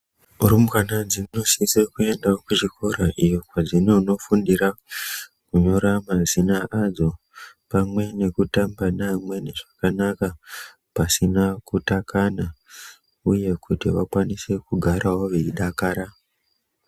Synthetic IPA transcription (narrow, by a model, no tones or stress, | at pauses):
urimkanad͡zino̞sisekue̞ndaokuʐikʰo̞ɾaʔijo̞kwad͡zinouno̞fundiɾa | kuɲo̞ɾamazinaʔad͡zo̞ | pamwe̞ne̞kutambanamwe̞ne̞ʐ̥akanaka | pasinakutakana | uje̞kʰutiʋakwanise̞kuɡʱaɾʔawo̞ʋeiɗakaːɾa